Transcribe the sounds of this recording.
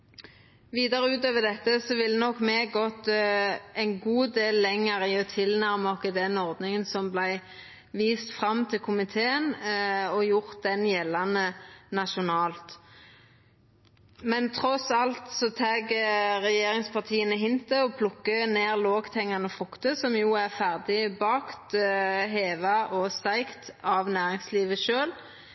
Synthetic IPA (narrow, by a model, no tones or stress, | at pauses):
ʋiːd̪ɑʁəʉːt̪øːʋəd̪ɛt̪ːəsɔʋɪlːənɔkːmɛɡɔt̪ | ɛɪnɡuːd̪eːlːɛŋːəɾɪɔt̪ʰɪlnæʁmɔkːɪd̪ɛnɔʁd̪nɪŋənsɔmblæɪ | ʋiːst̪fʁɑmt̪ʰɪlkʰʊmɪt̪ʰeːənɔjʊʁt̪̚d̪ɛnjɛlːɑnənɑʃʊnɑːlt̪ | mɛnt̪ʰʁɔsɑlt̪sɔt̪ʰeːɡʁɛjeːɾɪŋspʰɑʁt̪ʰiːənəɦɪnt̪əɔpʰlʊkːəneːʁloːɡt̪ʰɛŋːɑnəfʁʉkt̪əsɔmjuːæʁfæʁd̪ɪbɑːkt̪ɦeːʋɑʔɔst̪æɪkt̪ɑʋnæːʁɪŋsliːʋəʃøːl